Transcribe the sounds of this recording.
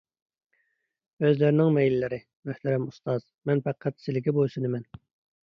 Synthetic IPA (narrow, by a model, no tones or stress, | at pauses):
øzlɪɾɪnɪŋmɛjlɪlɪɾɪ | myht̪ɛɾɛmust̪ɑz̥ | mɛnpæqʰːæt̪sɪlɪkʲibosunɨmɛn